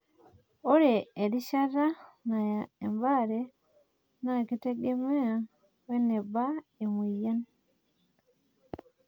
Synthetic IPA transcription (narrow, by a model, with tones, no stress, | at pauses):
o˦ɾe˨e˨ɾi˦ʃa˦ɾa˦na˨e˨mba˦˨ɾe˦ | na˦˨ki˦te˦ɡe˦me˦a˨ | we˦ne˨ba˦e˨mi˨ja˦n